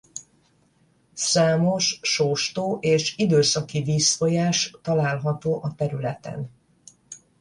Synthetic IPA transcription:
saːmo̞ʃʃoːʃt̪oːʔeːʃid̪øːsɒkiviːsfo̞jaːʃt̪ɒlaːlɦɒt̪oːʔɒt̪ɛɾylɛt̪ɛ̰n

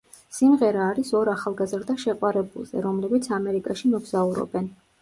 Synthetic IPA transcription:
simʁɛɾaːɾisɔɾaχalˠɡazɾd̪aʃɛqʼwaɾɛbṵlˠzɛ̰ɾɔmlɛbit̪sʰamɛɾikʼaʃimɔɡz̥auɾɔ̰bɛn

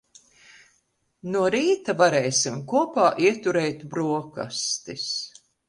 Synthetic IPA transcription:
nuɔɾiːt̪avaɾɛːsimkuɔpaːʔiɛt̪uɾɛjt̪bɾuɔka̰st̪is

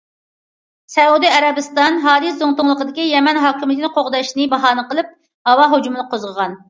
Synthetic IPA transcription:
sɛud̪iɛɾɛbɨst̪ɑnɦɑːd̪izoŋt̪ʊŋlˠəqəd̪ɪkʲijɛmɛnɦɑːkʲimɨt̪ɪnɨqʰoʁd̪ɑʃnɨbɑɦɑːnɨqəlˠɨp̚ | hɑwɑɦod͡ʒumɨnɨqʰozʁəʁɑn

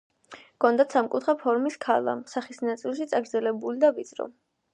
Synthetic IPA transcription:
kɔnd̪at̪samkʼut̪ʰχapʰɔɾmiskʰalˠa̰saχisnat̪sʼilˠʃit̪sʼaɡɾd̪zɛlɛbulid̪avid̪sʼɾɔ̰

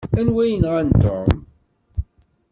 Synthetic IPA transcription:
ænwæjənʁænt̪ːo̰m

